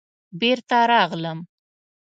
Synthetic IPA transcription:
beɾt̪aɾɑɣləm

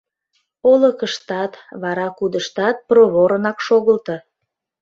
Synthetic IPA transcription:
olə̆kəʃt̪ɑt̪βɑɾɑkud̪əʃt̪ɑt̪̚proβoɾənɑkʃoɣəlt̪ə

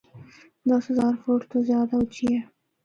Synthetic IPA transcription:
d̪ɑsʊzɑɾfoɾt̪ozjɑd̪awt͡ʃije

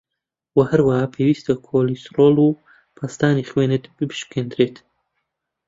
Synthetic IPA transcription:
wɐhɐɾwahaːpʰewiːst̪ɐkʰoːlisɾoːlu | pʰast̪aːniχweːnɨt̪b̥ɨbɨʃ̚kʰeːnd̪ɾeːt̪

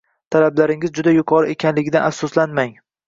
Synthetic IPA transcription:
t̪ʰalablaɾɪŋɪzd͡ʒʊd̪ajʊqʰɒɾɪʔekʲanlɪɡʲɪd̪anafsʊslanmaŋ

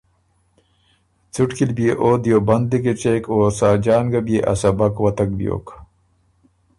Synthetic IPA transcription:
t͡suʈkilbijeʔoːd̪jobɐnd̪liket͡ɕeːkoːsaːd͡ʑaːnɡabieʔɐ̰sɐbɐkwɐt̪ɐk̚bjo̰ːk

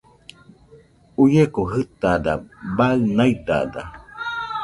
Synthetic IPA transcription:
ujekoɦɨt̪ada̰baɨnait̪a̰da̰

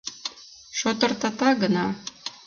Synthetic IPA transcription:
ʃot̪ɤ̆rt̪ɑt̪ɑɡə̆nɑ

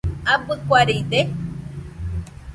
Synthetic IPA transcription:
apɨkʷaɾid̪e

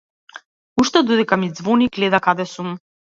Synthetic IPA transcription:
uʃt̪ɛd̪od̪ɛkamid̪zvɔniɡlɛd̪akad̪ɛsum

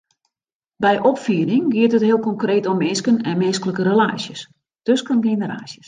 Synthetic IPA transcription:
bɛjʔɔpfiəɾɪŋɡiətətɦɪəlˠkɔŋkreːtomːɪnskənɛnmɪnskələkəɾəla̰ːsjəs | d̥øskənɡenəɾa̰ːsjəs

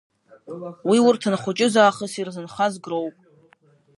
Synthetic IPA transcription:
wiwʊrtʰɨnχʷʊt͡ʃʼɪzaːχəsirzɨnχazɡrowpʼ

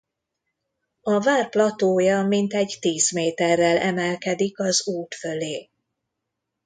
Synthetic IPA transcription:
ɒvaːrplɒt̪oːjɒmint̪ɛɟt̪iːzmeːt̪ɛrːɛlɛmɛlkɛd̪ikɒzuːt̪fø̞leː

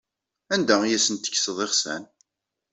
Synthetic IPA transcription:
ænd̪æijæsənt̪ːə̥ç̥səðˤeχsæ̰n

